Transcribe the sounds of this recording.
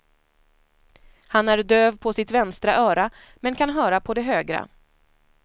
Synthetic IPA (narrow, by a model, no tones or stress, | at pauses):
hanæɾd̪øːvpʰɔsɪt̪vɛnst̪ɾaʔœːɾa | mɛnkʰanɦœːɾapʰɔd̪ɛɦøːɡɾa̰